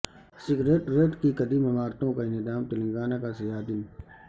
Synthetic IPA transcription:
sɪɡɾeːʈɾeːʈkikɐd̪iːmɐmaːɾt̪õkaɪnɪd̪aːmt̪ɐliɡaːnakasɐjaːd̪in

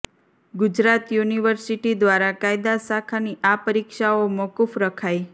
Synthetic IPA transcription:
ɡʊd͡ʒɾat̪juniʋəɾsiʈid̪ʋaɾakajd̪asakʰaniʔapəɾikʃaomɔkufɾəkʰaj

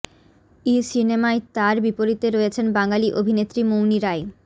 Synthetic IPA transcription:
isinemaet̪aɾbipoɾit̪eɾɔjet͡ɕʰenbaŋaliʔobʱinet̪ːɾimowniɾae

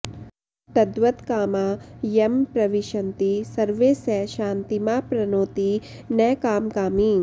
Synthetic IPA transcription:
t̪ɐd̪ʋɐt̪kaːmaːjɐmpɾɐʋiʃɐnt̪isɐɾʋeːsɛʃaːnt̪imaːpɾɐnoːt̪i | nɐjkaːmkaːmiːŋ

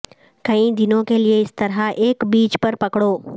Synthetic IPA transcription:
kɐĩd̪ɪnõkelieɪst̪ɐɾaʔeːkbiːt͡ʃpɐɾpɐkɽoː

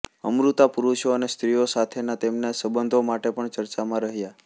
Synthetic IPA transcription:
ə̰mɾut̪apuɾuʃoənest̪ɾijosat̪ʰenat̪emnesəbənd̪ʱomaʈepəɳt͡ʃəɾt͡ʃamãɾəɦja

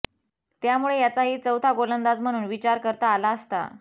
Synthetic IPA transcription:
t̪jamuɭejat͡saɦiːt͡səwt̪ʰaɡolənd̪ad͡zm̤əɽ̃uːnʋit͡ɕaɾkəɾt̪aːlaəst̪a̰

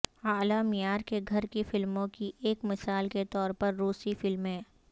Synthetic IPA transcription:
aːlamɪjaːɾkeɡʱɐɾkifɪlmõkiʔeːkmɪsaːlket̪ɔːɾpɐɾːuːsifɪlmɦɛ̃ː

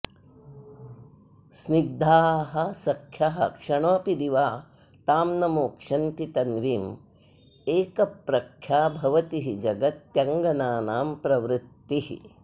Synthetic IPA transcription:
sniɡ̚d̪ʱaːɦɐsɐkʰjɐɦɐkʂɐɳoːpid̪iʋaː | t̪aːmnɐmoːkʂɐnt̪it̪ɐnʋiːm | eːkɐpɾɐkʰjaːbʱɐʋɐt̪iɦid͡ʒɐɡɐt̪jɐŋɡɐnaːnaːmpɾɐʋɾɪt̪ːiɦḭ

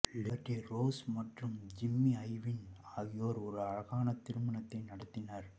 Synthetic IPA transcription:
lɪbɐʈːiɾoːsmɐʈrɯmd͡ʒɪmːiɐɪʋɪnaːɣɪjoːɾɔɾɯɐɻɐɣaːnɐt̪ɪɾɯmɐnɐt̪ːɐɪnɐɽɐt̪ːɪnaɾ

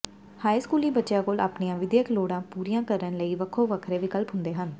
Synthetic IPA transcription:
haːiskuːlĩːbətːʃjãːkoːla̰ːpnijãːʋɪd̪jəkloːɽãːpuːɾijãːkəɾənləiːʋəkʰːoːʋəkʰɾeːʋiːkəlpɦʊnd̪eːɦən

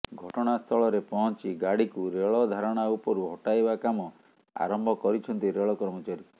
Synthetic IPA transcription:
ɡʱɔʈɔɽ̃ast̪ʰɔɭɔɾepɔɦɔnt͡ʃiɡaɽikuɾeɭɔd̪ʱaɾɔɽ̃aupɔɾuɦɔʈajbakamɔ | a̰ɾɔmbʱɔkɔɾit͡ʃʰɔnt̪iɾeɭɔkɔɾmɔt͡ʃaɾi

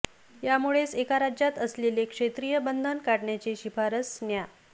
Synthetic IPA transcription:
jamuɭesekaɾad͡ʑjat̪əslelekʂet̪ɾijəbənd̪ʱənkaɽɳjat͡ɕeɕifaɾəsnja

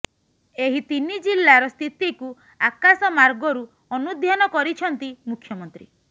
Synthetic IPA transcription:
eɦit̪inid͡ʒilːaɾɔst̪ʰit̪iku | akasɔmaɾɡɔɾu | ɔnud̪ʱjanɔkɔɾit͡ʃʰɔnt̪imukʰːjɔmɔnt̪ɾi

